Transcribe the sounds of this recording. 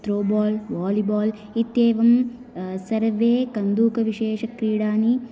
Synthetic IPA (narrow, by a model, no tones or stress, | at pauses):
t̪ɾoːbaːlʋaːlibaːl | it̪jeːʋɐm | sɐɾʋeːkɐnd̪uːkɐʋiʃeːʃɐkɾiːɽaːni